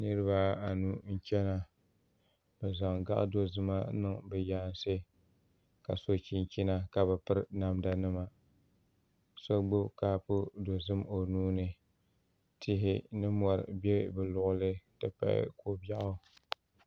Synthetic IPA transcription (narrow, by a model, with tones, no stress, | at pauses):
nɨ˦ɾɨ˦βa˦a˨nu˦n̩˦t͡ʃɛ˦na˨ | bɨ˨za˨ŋɡa̰˦ʔdo˦zɨ˦ma˦nɨ˨ŋbɨ˨jaː˦n˦se˦ | ka̰˨so˦t͡ʃi˦nt͡ʃi˦na˦ka˨βɨ˨pɨ˦ɾna˨mda˦nɨ˦ma˨ | so˦ɡ͡bʊ˦ka˦pʊ˦do˨zɨ˦mo˨nuː˦nɨ˨ | tʰɪ˦ɦɪ˦nɨ˦mɔ˨ɾ̰be˦bɨ˨lʊ˨ʔʊ˦lɨ˦tɨ˦pa̰˨ɪ̰˦ko˦ba˦ʔʊ˦